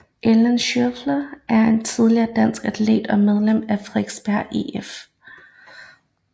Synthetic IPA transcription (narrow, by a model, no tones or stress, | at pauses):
ʔelenɕøflɐʔæɐe̝nt͡sʰið̞ˠliɐːd̥æn̰sɡ̥æd̥ʰlḛːd̥ɒ̽með̞ˠlem̰æfʁeɡ̥sb̥æɐ̰ʔḛef